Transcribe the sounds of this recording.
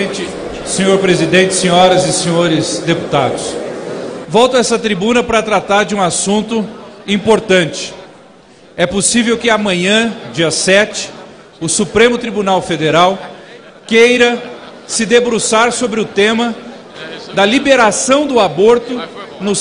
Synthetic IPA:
t͡ʃɪ | sẽɲoɾpɾezid̪ẽnt͡ʃɪ̥sẽɲɔɾɐzɪsẽɲoɾɪsd̪epu̥t̪a̰d̪ʊs | vɔwt̪ʊɛsɐt̪ɾibũnɐpɾɐt̪ɾat̪aɾd͡ʒɪũasũnt̪ʊĩpoɾt̪ɐ̃t͡ʃɪ̥ | ɛposivewkɪamɐ̃ɲɐ̃d͡ʒiɐsɛt͡ʃɪ̥ | ʊsupɾẽmʊt̪ɾibunawfed̪eɾaw | kejɾɐ | sɪd̪ebɾusaɾsobɾɪʊt̪ẽmɐ | d̪ɐlibeɾasɐ̃w̃d̪ʊaboɾt̪ʊnʊ

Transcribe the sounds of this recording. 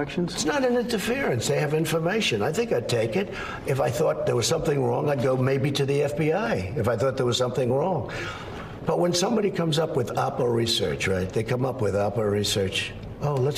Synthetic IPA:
kʃnz̥tsnəɾɨ̃nɪ̃ntə˞fɪɹɨ̃nsðeɪɨvɪ̃ɱfə˞meɪʃɨ̃naɪθɪ̃ŋkaɪd̚tʰeɪkɪɾ | ɨfaɪθɔt̪̚ðə˞wʌz̥sʌ̃mθɪ̃ŋɹɔ̃ŋaɪd̚ɡoʊmeɪbiɾɨðiɛfb̥iaɪɨfaɪθɔt̪̚ðə˞wʌz̥sʌ̃mθɪ̃ŋɹɔ̃ŋ | b̥ʌt̚wə̃nsʌ̃mbɑɾikʰʌ̃mzʌpwɨðɑpəɹisɜ̰˞t͡ʃɹaɪt̪̚ðeɪkʰʌ̃mʌpwɨðɑpəɹisɜ˞t͡ʃ | oʊlət

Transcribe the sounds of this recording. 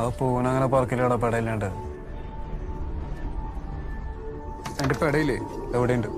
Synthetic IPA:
ɐpːunɐŋːɐnepɐrkːilɐuɽɐp̬eɽɐjilːeɳɖɨ | enɖepːeɽɐjilːeeʋiɽejuɳɖɨ

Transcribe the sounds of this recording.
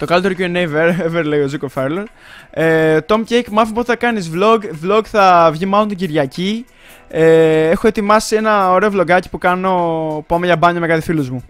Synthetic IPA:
t̪o̞kɐlit̪e̞ɾocueneveɾeveɾle̞io̞zukofɐɾlos | et̪o̞mcejkmɐfimposθɐkɐnizvlo̞ɡvlo̞ɡθɐvʝimɐlont̪iɟiɾʝɐci | ee̞xoe̞t̪imɐsie̞nɐoɾe̞o̞vlo̞ɡɐci̥pukɐno̞puɐmeʝɐbɐɲɐme̞kɐt̪ifilozmu

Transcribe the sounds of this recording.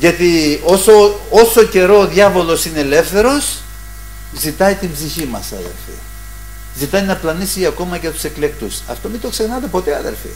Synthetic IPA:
ʝɐt̪iosooso̞ce̞ɾo̞ːðʝɐvo̞lo̞sineːle̞fθe̞ɾo̞s | zit̪ɐit̪imbziçimɐsɐ̰ðḛɾfḭ | zit̪ɐinɐplɐnisiɐko̞mɐʝɐt̪u̥se̞kle̞kt̪usɐ̰ft̪o̞mit̪o̞ksexnɐt̪e̞po̞t̪eɐðḛfḭ

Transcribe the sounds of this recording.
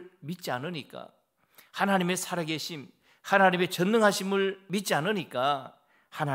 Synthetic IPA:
mit̚t͡ɕ͈ianɯɲik͈a̰ | hanaɲime̞sʰaɾaɡe̞ɕʰim | hanaɲime̞t͡ɕʌnːɯŋɦaɕʰimɯɭmit̚t͡ɕ͈ianɯɲik͈a | hana

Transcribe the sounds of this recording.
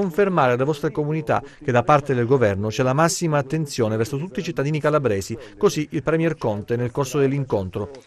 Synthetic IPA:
oɱfermaːɾealːevɔst̪ɾekomunit̪a̰k̟ed̪apart̪ed̪elɡovɛrnot͡ʃɛlamasːimaːt̪ːent̪sjoːnevɛrsot̪ut̪ːit͡ʃit̪ːad̪iːnikalabɾɛːzikoziʔilpɾɛmjɛrkɔnt̪enelkorsod̪elːiŋkont̪ɾo

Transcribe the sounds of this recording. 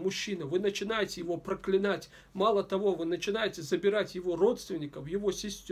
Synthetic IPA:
mʊɕːinəvɨnət͡ɕɪnajɪtʲɪjɪvo̞pɾəklʲɪnatʲ | malˠət̪ɐvo̞vɨnət͡ɕɪnajɪtʲɪzəbʲɪɾatʲjɪvo̞ro̞t̪st̪vʲɪnʲːɪkəfjɪvo̞sʲɪsʲtʲ

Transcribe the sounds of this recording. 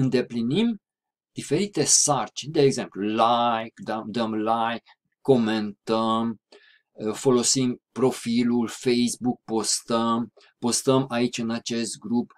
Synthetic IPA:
ɨnd̪e̞plinim | d̪̥ife̞ɾit̪e̞sart͡ʃind̪eːɡze̞mplulajkd̪əmd̪əmlajkː | o̞ment̪əm | fo̞lo̞simpɾo̞filulfejsbuk̚po̞st̪əm | po̞st̪əmait͡ʃʲɨnat͡ʃe̞st̪̚ɡɾup

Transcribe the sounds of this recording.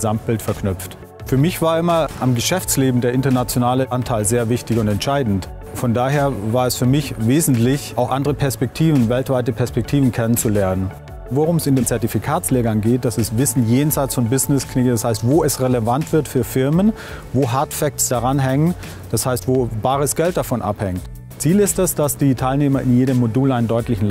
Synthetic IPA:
zamt̚b̥ɪltfɛɐkʰnʏp͡ft | fyːɐmɪçv̥aːɐʔɪmɐʔamɡəʃɛft͡sleːbm̩deːɐɪntɐnat͡sjonaːləʔantʰaɪlzeːɐvɪçtɪçʊntɛntʃaɪdn̩t | fɔndaːɦeːɐvaːɐɛsfyːɐmɪçveːzn̩tlɪçʔaʊxʔandəʁəpʰɛɐspɛk̚tʰiːvn̩vɛltv̥aɪtəpʰɛɐspɛk̚tʰiːvn̩kʰɛnənt͡sulɛɐnən | voʁʊmɛsɪndeːnt͡sɛɐtifikʰaːt͡sleːɡɐnɡeːt̚d̥asɛsvɪsn̩jeːnzaɪt͡sfɔnbɪznɪskʰnɪkdashaɪstvoːɛsʁeləvantv̥ɪɐtfyːɐfɪɐmən | voːɦaɐtfɛk̚tsd̥aʁanɦɛŋən | d̥ashaɪstv̥oːbaːʁəsɡ̥ɛlt̚d̥afɔnʔa̰phɛŋt | t͡siːlɪstdɛsd̥asd̥iːtʰaɪlneːmɐɪnjeːdəmːoduːlaɪnəndɔʏtlɪçn̩l

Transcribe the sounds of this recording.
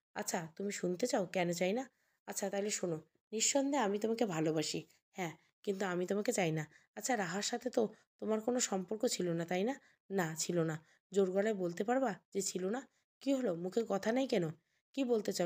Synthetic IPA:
a̰tːɕʰat̪umiʃunt̪et͡ɕaokɛnot͡ɕajna | atːɕʰat̪aɦileʃono | niʃːɔnd̪ʱeamit̪omakebʱalobaʃi | hɛ̃ | kint̪̬uamit̪omaket͡ɕajnaatːɕʰaɾaɦaɾʃat̪ʰet̪ot̪omaɾkonoʃɔmpoɾkot͡ɕʰilonat̪ajna | nat͡ɕʰilona | d͡ʑoɾɡɔlaebolt̪̬epaɾbad͡ʑet͡ɕʰilona | kiɦolomukʰeɾkɔt̪ʰanajkɛno | kibolt̪et͡ɕa

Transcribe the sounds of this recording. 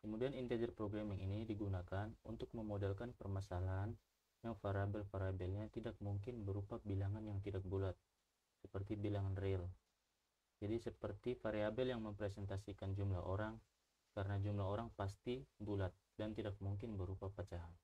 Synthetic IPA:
kəmudianint̪ed͡ʒərpɾoɡɾamɪŋinidiɡunakanunt̪ʊk̚məmodɛlkanpərmasalaɦan | jaŋfaɾabɛlfaɾabɛlɲat̪idak̚muŋkɪnbəɾupabilaŋanjaŋt̪idak̚bulat̪̚ | səpərt̪ibilaŋanrɪl | d͡ʒadisəpərt̪ifaɾeabɛljaŋməmpɾɛsɛnt̪asikand͡ʒumlaɦʔoɾaŋ | kaɾənad͡ʒumlaoɾaŋpast̪ibulat̪̚dant̪idak̚muŋk̬ɪnbəɾupapat͡ʃaɦan

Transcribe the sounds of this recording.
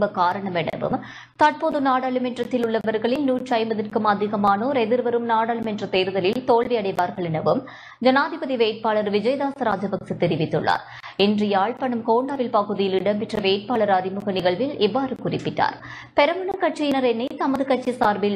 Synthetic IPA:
bɐkaːɾɐɳɐmɛɳɐ̰ʋɯ̰m | t̪ɐʈ̚poːðɯnaːɽɐɭɯmɪʈrɐt̪ːɪlʊɭːɐʋɐɾɣɐɭɪlnuːʈrɐɪmbɐðɪrkɯmɐd̪ʱɪɣɐmaːnoːɾɛðɪɾʋɐɾɯmnaːɽɐɭɯmɛʈrɐt̪eːɾɯðɐlɪlt̪oːɭʋɐɐɽɐɪʋaːɾɣɐɭɛnɐʋɯm | d͡ʒɐnaːðʱɪbɐðiʋeːʈ̚paːɭɐɾʋɪd͡ʒɐjðaːsɐɾaːd͡ʒɐbɐksɯt̪ɛɾɪʋɪt̪ːɯ̰ɭːa̰ːɾ | ɪndrɐjaːɭpɐɳɯmkoːɳɖaːʋɪlpɐɣɯðɪjɪlɪɽɐmpɪʈrɐʋeːʈ̚paːɭɐɾɐɾɪmʊɣɐnɪɣɐɭʋɪlɛʋːaːɾɯkʊrɪpːɪʈːa̰ːɾ | pɛɾɐmɐɳɐkɐʈt͡ʃijɪnɐɾɛnːɐt̪ɐmɐðɯkɐʈt͡ʃisaːɾbɪl

